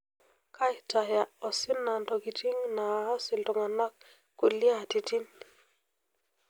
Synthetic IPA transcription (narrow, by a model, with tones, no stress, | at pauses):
kʰa˦jta˨ja˨ɔ˨sɪ˦na˨ndɔ˨ki˨ti˦ŋna˨a˦sɪ˨ltɔ˨ŋa˨na˦kː | u˨lja˦˨ti˨ti˦n